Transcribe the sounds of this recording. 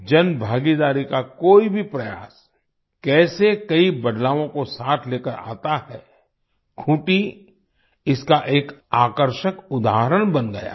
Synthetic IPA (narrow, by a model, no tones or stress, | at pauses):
d͡ʒɐnbʱaːɡid̪aːɾikakoːibʱipɾɐja̰ːs | kɛːsekɐibɐɖlaːʋõkosaːt̪ʰleːkəɾa̰ːt̪ahɛː | kʰũːʈi | ɪskaʔeːkaːkəɾʃəkʊd̪aːɦɾəɽ̃bɐnɡɐja̰ː